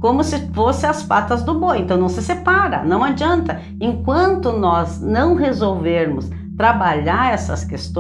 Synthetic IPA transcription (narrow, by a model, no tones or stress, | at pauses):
kõmʊsɪfosɪ̃ɐspat̪ɐzd̪ʊboẽnt̪ɐ̃w̃nɐ̃w̃sɪsepaɾɐ̰nɐ̃w̃ad͡ʒiɐ̃nt̪ɐ | ẽŋkwɐ̃nt̪ʊnɔznɐ̃w̃hezowveɾmʊs | t̪ɾabaʎaɾɛsɐ̰skest̪